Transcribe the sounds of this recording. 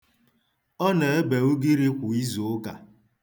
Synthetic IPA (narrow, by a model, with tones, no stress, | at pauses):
ɔ˦ne˨e˦be˨o˦ɡi˦ɾi˦kʷʊ˨i˦zo˨˦ɡa̰˨